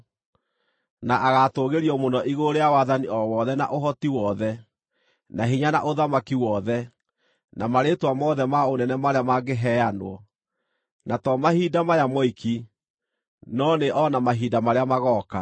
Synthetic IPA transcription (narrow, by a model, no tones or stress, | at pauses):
naʔaɣatoɣeɾiɔmonɔʔiɣoɾejawaðaniɔwɔðɛna̰ʔoɦɔtiwɔðɛ | naɦiɲana̰ʔoðamakiwɔðɛ | namaɾetwamɔðɛmaonɛnɛmaɾeamaɡeɦɛanwɔ | natɔmahiːdamajamɔikʰi | nɔneʔɔnamaɦiːdamaɾeamaɣɔːka